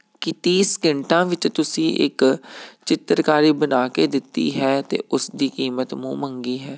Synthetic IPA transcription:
kɪt̪iːskɪɳʈãːʋɪt͡ʃt̪ʊsĩːʔɪ̰kt͡ʃɪt̪əɾkaːɾiːbənaːkeːd̪ɪt̪ːḭːɦɛːt̪ḛːʔʊsd̪iːkiːmət̪mṵ̃ːməŋɡiːɦɛː

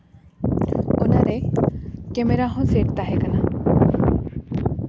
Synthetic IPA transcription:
onaɾe | kemeɾaɦɔ̃seʈ̚t̪aɦekana

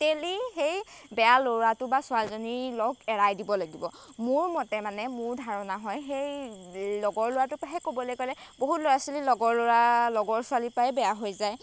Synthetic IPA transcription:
telixej | bɛjaloɹatʊbasʊalzonilɔɡɛɹajdibɔlaɡibɔ | mʊɹmɔtɛmanɛmʊɹdʱaɹɔnaɦɔjxejlɔɡɔɹlʊwatʊpaɦɛkobɔlojkojlɛboɦutlojasililɔɡɔɹlʊalɔɡɔɹsʊalipajbɛjaɦojzaj

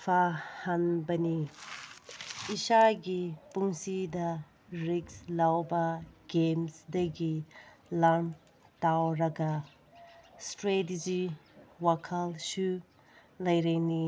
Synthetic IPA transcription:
pʰahanbɐni | isaɡipuŋsidɐ | ɾikslawbɐɡemsdɐɡi | lam | tawɾɐɡɐ | stɾetid͡ʒiwakʰɐlsu | lɐjɾejni

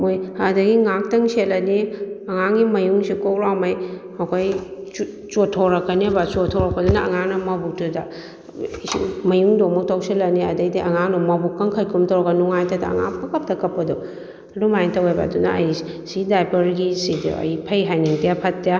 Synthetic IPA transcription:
mojhadɐɡiŋak̚tɐŋselɐniɐŋaŋɡimɐjuŋsikok̚lawmajhawkʰoj | t͡ʃotʰːoɾɐkːɐnibat͡ʃotʰoɾɐk̚pɐdunaɐŋaŋnɐmɐbuk̚tuda | mɐjuŋdomɐk̚tawselɐniɐdɐjdiʔɐŋaŋnɔmɐbukːɐŋkʰɐjkʰumtawɾɡanuŋajtɐda̰ɐ̰ŋa̰kpɐkɐp̚tʰɐkɐpːɐdo | ɐdumajŋtɐwajba̰duna̰ɐj | sidajpɐɾɡisid̰ɐ̰jpʰɐjɦajniŋtijapʰɐtːija

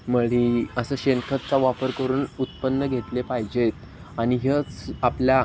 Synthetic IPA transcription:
məɭiəsəːɕenkʰət̪̚t͡saʋapəɾkəɾuːnut̪pənːəɡʱet̪lepaɦid͡ʑet̪ | aɽ̃iɦət͡saplja

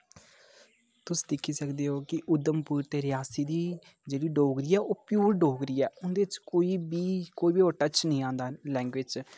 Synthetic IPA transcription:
t̪ʊsiːd̪ɪkʰːiːsəkd̪eːɦoːkɪʔʊd̪əmpuːɾt̪eːɾɪjaːsiːd̪iː | d͡ʒeːɽiːɖoːɡɾiːɛːʔoːpjuːɾɖoːɡɾiːɛːʊnd̪eːɪt͡ʃkoːiːbiːkoːiːbiːoːʈət͡ʃnəĩːãːnd̪aːlɛ̃ːŋɡʋɪd͡ʒ

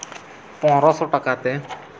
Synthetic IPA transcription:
pɔ̃ɦɾɔsɔʈakat̪ɛ

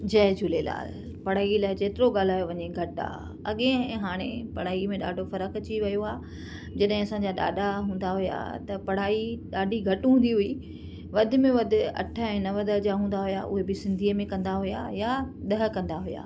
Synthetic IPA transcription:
d͡ʑɐɦd͡ʑulela̰ːl | pɐɽ̤aːilaːɪd͡ʑeːt̪ɪɾoɠaːl̤aːjoʋɐɲeɡʱɐʈa̰ | ɐɠẽɛ̃ɦaːɽ̃epɐɽ̤aːimẽɗa̰ːɖʱofɐɾəkt͡ɕiʋɐjoaː | d͡ʑɐɗɦɪ̃ɐsãɲd͡ʑaɗa̰ːɗaɦũːnd̪aɦʊja̰t̪ɐpɐɽ̤aːiɗaːɖʱiɡʱɐʈɦũːnd̪iɦʊi | ʋɐd̪ʱɪ̆mẽʋɐd̪ʱɪ̆ɐ̰ʈʰə̆ɛ̃ːnɐʋəd̪əd͡ʑaɦũːnd̪aɦʊja̰ʔʊ̰ɦebɪsɪ̃nd̪ʱiːəmẽkɐ̃nd̪aɦʊja̰jaɗɐɦə̆kɐ̃nd̪aɦʊja̰ː

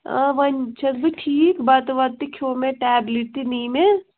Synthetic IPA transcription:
əʋɐnt͡ʃʰɐt̪biʈʰiːkbɐt̪ʋɐt̪ːikʰoːmẽʈɛːbliʈ̚t̪iniːme

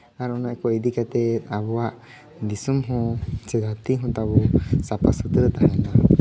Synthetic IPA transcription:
aɾɔnaʔkɔid̪ikat̪ɛt̪abɔwaʔ | d̪isumɦɔ̃t͡ʃɛd̪at̪iɦɔ̃t̪abɔsapasud̪əɾt̪aɦɛna

